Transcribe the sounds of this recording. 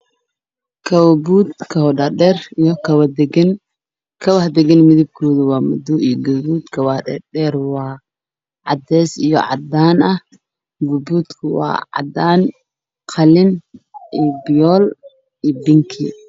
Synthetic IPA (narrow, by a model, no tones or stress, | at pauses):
kʰɐwbuːd̪kʰɐwdɐɖɛrjkʰɐwd̪ɛɡn | kʰɐwɐhd̪ɛɡɛnmɪðɪb̚kʰɔːðʊwɑːmʊd̪ʊijɔɡʊbuːd̪kʰɐwɐdɛdɛːrwɑː | ʕɑd̪ɛːsijɔ̰ʕɑ̰d̪aːnɐh | ɡʊbuːd̪kʰʊwɑ̰ːʕɑ̰d̪aːn | qʰɑlɪnʔibɪjɔːl | ibɪŋkʰḭ